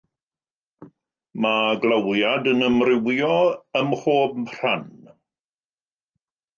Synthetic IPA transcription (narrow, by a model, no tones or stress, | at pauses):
maɡlawjadənəmrɪwjɔəmroːb̚r̥an